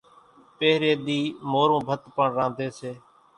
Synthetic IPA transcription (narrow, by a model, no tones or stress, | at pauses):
peːɾeːd̪iːmoːɾõːbʱət̪pəɳɾãːnd̪eːseː